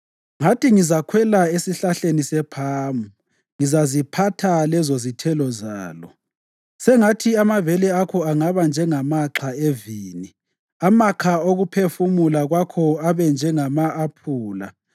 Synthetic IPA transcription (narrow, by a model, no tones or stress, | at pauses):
ŋatiŋizakʰwɛlaesiɬaɬenisɛpʰaːmu | ŋizazipʰatʰalɛzozitʰɛlɔza̰ːlɔ̰ | sɛŋatʰiamavɛlɛakʰɔaŋaβand͡ʒʱɛŋamaǁʰaeviːni | amakʰaoɣupʰefumulaɣwakʰɔaβɛnd͡ʒʱɛŋamaːpʰuːla̰